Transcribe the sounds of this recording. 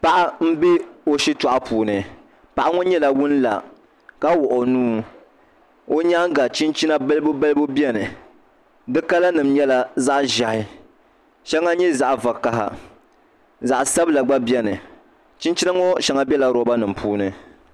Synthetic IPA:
pa˨ʔa˦m̩˦be˦o˦ʃi˦tɔ˨ʔa˦puː˨nɨ˨ | pa˨ʔa˦ŋo˦ɲɛ˦la˨wʊ˦n˦la̰˨ | ka˦wʊ˨ʔʊ˨nuː˦ | o˦ɲa˦ɡa˨t͡ʃi˦nt͡ʃi˦na˦bɨ˦lbo˦bɛ˦lɨ˦bo˦bjɛ˦nɨ˨ | dɨ˦ka˦la˦nɨ˨m̩ɲɛ˦la˨za˦ʔʒa˨hɪ˨ | ʃɛ˦ŋːa˦ɲɛ˦za˦ʔva˨ka˨ɦa̰˨ | za˨ʔsa˦bla˨ɡ͡ba˦bjɛ˦nɨ˨ | t͡ʃi˦nt͡ʃi˦na˦ŋɔ˦ʃɛ˦ŋa˦bʲɛ˦la˨ɾɔ˨ba˦nɨ˨m̩˨pʰuː˦nɨ˨

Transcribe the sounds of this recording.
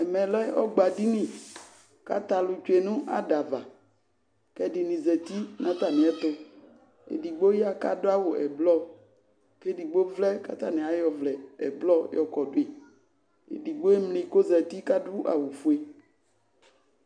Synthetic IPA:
ɛ˨mɛ̃˨lɛ˦ɔ̰˦ɡ͡ba˨di˦nɪ̃˨ | ka̰˦t̪a˨lʊ˨t͡ʃʊ˦e˨nʊ̃˦ʔa̰˨da˨va˨ | kɛ˦dɪ˨nɪ̃˨zɛ˨t̪i˦nã˦t̪a˨nɪ̃˨ɛ˦t̪ʊ˦ | ḛ˨di˨ɡ͡bo˦ja˦ka˦dʊ˦a˦wʊ˨ɛ̰˨blɔ˦ | ke˦di˨ɡ͡bo˦vlɛ˦ka̰˦t̪a˦nɪ̃˨a˨jɔ˨vlɛ˨ɛ˨blɔ˦jɔ˨kɔ˨dʊ˦e˨ | ḛ˨di˨ɡ͡bo˦e˦mlɪ̃˨ko˦zɛ˨t̪i˦ka˦dʊ˦ʔa̰˨wʊ˨fu˦e˨

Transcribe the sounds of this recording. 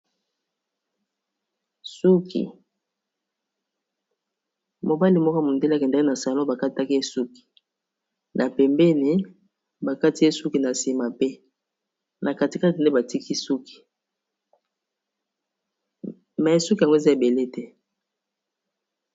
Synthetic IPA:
su˦kʰḭ˨ | mo˨ba˦li˨mɔ˦kɔ˦mo˨nde˦le˦a˨kɛ˨nda˦ki˦na˨sa˨lo˦ba˨ka˦ta˦ki˦e˦su˦ki̥˨ | nʔa˨pɛ˨mbɛ˦ni˨ | ba˨ka˦ti˨˦e˦su˦ki˨na˨si˨ma˨pe˦ | nʔa˨ka˨ti˨ka˦ti˨nde˦ba˨ti˦ki˦su˦ki̥˨ | mɛ˨su˦ki˨a˨ŋɡo˦e˨za˦e˨be˨le˦tɛ˦

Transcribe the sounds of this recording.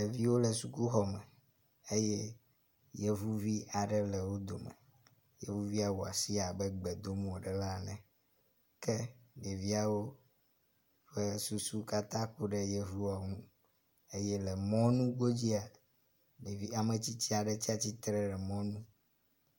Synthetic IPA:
le˨vi˦wo˦lɛ˨su˨ku˦xɔ˨mɛ̃˨ | e˦je˦ | je˦vu˦vi˦a˨ɖɛ˦lɛ˨wo˦d̪o˨mɛ̰˨ | jḛ˦vu˦vi˦a˨wu˨a̰˨si˦a˨bɛ˦ɡ͡bɛ˨d̪o˦mũ˨ɖɛ˨la˦nɛ̃˨ | kɛ˦ɖe˨vi˦a˨wo˦ | ɸe˦su˨su˦ka˦t̪ã˦ku˦ɖɛ˦je˦vu˦wa˨ŋũ˦ | e˦jɛ˦lɛ˨mɔ̃˦nũ˦ɡo˦d͡ʑi˦a˨ | ɖe˨vi˦a˨mẽ˨t͡ɕi˦t͡ɕi˦a˨ɖɛ˨t͡ɕi˦a˨t͡ɕi˦t̪ɾɛ˦ɖɛ˨mɔ̃˦nũ˦

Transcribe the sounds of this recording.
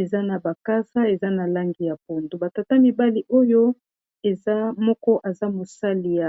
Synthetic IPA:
e˨za˦na˨ba˨ka˦sa˦e˨za˦na˨la˦ŋɡi˨ja˨p̚o˨ndo˨ba˨ta˨ta˦mi˨ba˦li˦ʔo˦jo˦ | e˨za˦mɔ˦kɔ˦ʔa˨za˦mo˨sa˦li˨ja˨

